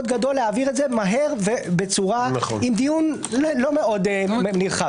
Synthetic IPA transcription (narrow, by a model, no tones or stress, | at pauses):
d̪̚ɡad̪o̞lːeaviʁetzemaɦe̞ʁvebet͡suʁanχnimd̪ijun | lo̞meo̞d̪mmniʁχa